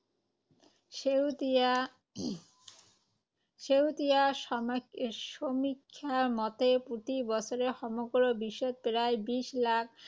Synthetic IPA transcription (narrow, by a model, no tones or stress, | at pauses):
ʃewt̪ija | ʃomikʰːamɔt̪epɾot̪ibɔt͡ɕʰoɾehɔmoɡoɾobiʃːot̪̚peɾaebiʃlak̚ʰ